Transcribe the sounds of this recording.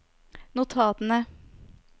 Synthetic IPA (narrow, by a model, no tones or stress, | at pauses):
nʊt̪ʰɑːt̪ənə